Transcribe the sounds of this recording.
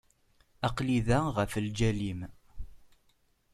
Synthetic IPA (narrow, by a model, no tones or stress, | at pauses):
ɑqliðæʁəfəld͡ʒælim